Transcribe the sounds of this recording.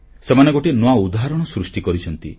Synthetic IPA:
semaneɡoʈenoaud̪aɦaɾɔɽ̃ɔsɾusʈikɔɾit͡ʃʰɔnt̪ḭ

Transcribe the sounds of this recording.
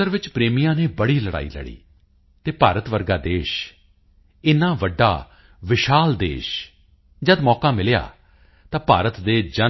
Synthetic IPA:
əɾʋɪt͡ʃpɾeːmijãːneːbəɽiːləɽa̰ːḭːlə̰ɽḭː | t̪eːpaːɾət̪ʋəɾɡaːd̪eːʃ | ɪnãːʋəɖːa̰ː | ʋɪʃaːld̪ḛːʃ | d͡ʒəd̪mɔːkaːmɪlja̰ː | t̪ãːpaːɾət̪d̪eːd͡ʒə

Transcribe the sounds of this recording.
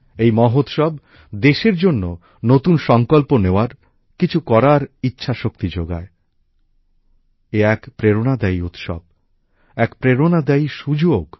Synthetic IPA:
ejmɔɦot̪ʃɔb | d̪eʃeɾd͡ʑonːo | not̪unʃɔŋkolponeoaɾ | kit͡ɕʰukɔɾaɾitːɕʰaʃokt̪id͡ʑoɡa̰e | eɛkpɾeɾonad̪ajut̪ʃɔ̰b̚ | ɛkpɾeɾonad̪ajʃud͡ʑoɡ

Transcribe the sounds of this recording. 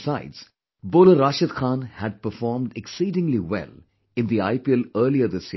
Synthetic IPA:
saɪdz̥ | boːləɾaːʃəd̪xʰãːnhæɖ̚pəfɔːɾmɖeksiːɖɪ̃ŋliʋɛ̰l | ɪ̃nd̪iaɪpiɛləːɾliəd̪ɪs

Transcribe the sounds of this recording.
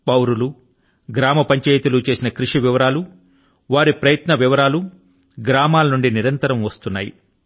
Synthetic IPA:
pɐwɾulu | ɡɾaːmɐpɐɲt͡ʃaːjt̪ulut͡ʃe̞ːsinɐkɾuʂiʋiʋɐɾaːlu | ʋaːɾipɾɐjɐt̪nɐʋiʋɐɾaːlu | ɡɾaːmaːlɐnuɳɖiniɾɐnt̪ɐɾɐmʋɐst̪unːa̰ːjḭ

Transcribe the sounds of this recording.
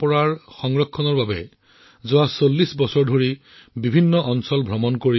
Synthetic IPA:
pɔɹaɹxɔŋɹɔkʰːɔnɔɹbabɛ | zʊwasolːisbɔsɔɹdʱoɹi | bibʱinːɔʔɔnsɔlbʱɹɔmɔnkoi

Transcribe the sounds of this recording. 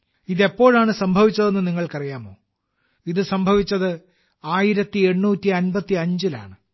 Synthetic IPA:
iðe̞pːo̞ːɻaːɳɨsɐmbʱɐʋit͡ɕːɐðe̞nːɨniŋːɐɭkɐrijaːmo̞ː | iðɨsɐmbʱɐʋit͡ɕːɐðɨ | aːjiɾɐt̪ːie̞ɳːuːtːiɐnbɐt̪ːiɐɲd͡ʑila̰ːɳɨ

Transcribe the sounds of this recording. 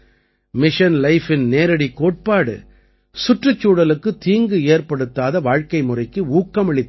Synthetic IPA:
mɪʂɐnlɐɪfɪnneːɾɐɽikːoːʈ̚paːɽɯ̰ | sʊʈrɐt͡ʃːuːɽɐlɯkːɯt̪iːŋɡɯeːrpɐɽɯt̪ːaːðɐʋaːɻkɐɪmʊrɐɪkːɯuːkːɐmɛɭɪt̪ː

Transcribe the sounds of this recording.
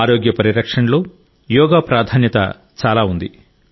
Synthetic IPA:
ɾoːɡjɐpɐɾiɾɐkʂɐɳlo̞ː | jɔːɡaːpɾaːd̪ʱaːnjɐt̪ɐ̰ | t͡ʃaːlaːund̪i

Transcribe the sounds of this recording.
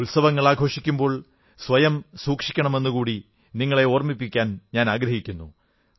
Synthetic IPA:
ulsɐʋɐŋːɐɭaːɡʱo̞ːʂikʲːumbo̞ːɭ | sʋɐjɐmsuːkʂi̥kʲːɐɳɐme̞nːukuːɽi | niŋːɐɭe̞o̞ːrmipːikʲːaːnɲaːnaːɡɾɐɦikʲːunːu

